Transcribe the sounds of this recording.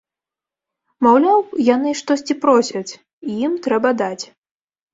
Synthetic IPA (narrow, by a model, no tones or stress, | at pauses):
mawlʲawjan̪ɨʂt̪ɔsʲt͡sʲipɾɔsʲɐt͡sʲ | ijimt̪ɾɛbɐd̪at͡sʲ